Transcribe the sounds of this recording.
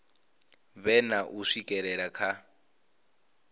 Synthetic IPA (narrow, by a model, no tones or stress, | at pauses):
βɛnaʔuʂikʼɛɺɛɺakʰa